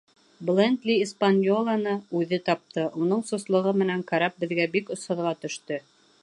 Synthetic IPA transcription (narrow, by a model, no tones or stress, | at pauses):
blˠend̪lʲiːspanʲjolˠɑnɤʉðɘt̪ɑp̚t̪ɤʔunɤɴsŏslˠɤ̆ʁɤmɘ̆næŋkɑɾɑp̚bɘ̆ðɡæbikŏsɑðʁɑt̪ɵ̆ʃt̪ɵ